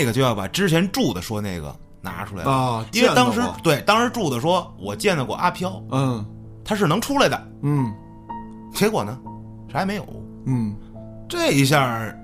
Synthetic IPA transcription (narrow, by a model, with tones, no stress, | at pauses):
ɡə˩t͡ɕjo˧ʊjɑ˥˩pa˨˩ʈ͡ʂɻ̩˥t͡ɕʰjɛ˧˥nʈ͡ʂu˥˩d̪ə˩ʂwɔ˥ne˥˩ɡə̰˩ | na̰˧˥ʈ͡ʂʰu˥la˧ɪi˥˧t̪ɑ˥ŋʂɻ̩˧˥t̪we˥˩ɪt̪ɑ˥ŋʂ̩˧˥ʈ͡ʂu˥˩d̪ə˩ʂwɔ˥wɔ˨˩t͡ɕjɛ˥˩nə˨kwɔ̰˨˩ʔa˥pʰjɑ˥ʊ˥˧ | t̪ʰa˥ʂ̬ɻ̩˥˩nɤ˧˥ŋʈ͡ʂʰu˥la˧ɪd̪ə̰˨˩˥ | kʰe˧˥ɪkwɔ̰˨˩nə˦ | ʂme˧˥ɪjo̰˨˩˦ʊ˥˩ | ʈ͡ʂɤ˥˩i˧ɕ̬jɑ˥˧˩